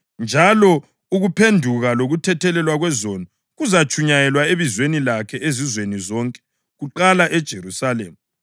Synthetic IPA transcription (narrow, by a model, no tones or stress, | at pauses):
nd͡ʒʱalɔ | uɣupʰendʱuɣaloɣutʰɛtʰɛlɛlwaɣwɛzonɔ | ɣuzat͡ʃʰʼuɲajɛlwaeβizwenilakʰɛʔezizwenizɔŋkʼɛ̥ | ɣuǃalaʔɛd̥ʒ̥ʱerusalemu